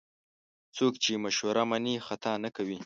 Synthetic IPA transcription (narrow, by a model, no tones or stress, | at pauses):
t͡sokt͡ʃemaʃwaɾamanixat̪ɑnakawi